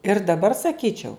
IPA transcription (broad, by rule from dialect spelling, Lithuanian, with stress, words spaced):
ɪr dɐˈbɐr sɐˈkʲiːt͡ʃʲɛʊ